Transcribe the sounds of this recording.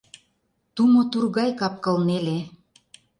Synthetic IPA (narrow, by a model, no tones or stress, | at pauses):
t̪umot̪urɣɑjkɑp̚kɤ̆lnele